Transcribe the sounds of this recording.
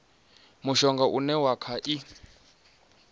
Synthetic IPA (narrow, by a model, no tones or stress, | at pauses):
muʃɔŋɡaʔunɛwakʰaʔi